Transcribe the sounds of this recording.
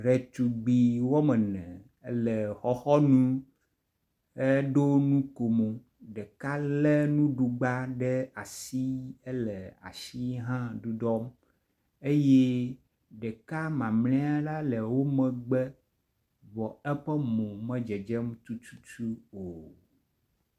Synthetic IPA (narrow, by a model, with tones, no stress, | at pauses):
ɾɛ˨t̪u˨ɡ͡bi˨wo˦mɛ̃˨nɛ̃˨ | ɛ˦lɛ˨xɔ˦xɔ˦nũ˦ | ɛ˦ɖo˦nũ˦ko˨mo˨ | ɖɛ˨ka˦lɛ˦nũ˦ɖu˨ɡ͡ba˦ɖɛ˦a˨si˦e˦lɛ˨a̰˨ʃi˦ɦã˦ɖu˦ɖɔ˦m | e˦je˦ | ɖɛ˨ka˦mã˨mlɛ̃˦a˦la˦lɛ˨wo˦mɛ̃˨ɡ͡bɛ˦ | vɔ˨ɛ˦ɸɛ˦mõ˨mɛ̃˦d͡ʒɛ˨d͡ʒɛ˦m˦t̪u˦t͡ʃu̥˦t͡ʃu˦o˨